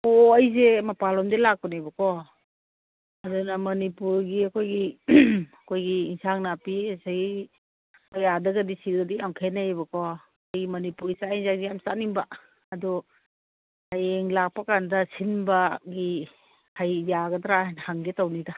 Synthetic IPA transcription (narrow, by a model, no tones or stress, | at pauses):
oɐjzemɐpalɔmdelak̚pɔnajbɐkɔ | adunɐmɐnipuɾɡiɐkʰojɡi | ɐkʰojɡiːnsaŋnapiasaɡi | ɔjadɐɡadisilɡɐdiaŋkʰenajbɐkɔ | kʰojɡimɐnipuɾisainzaŋdijamsaniŋba | ɐdɔ | hajeŋlak̚pakandɐsinbaɡi | hajjaɡɐdɾajnhaŋɡetawnida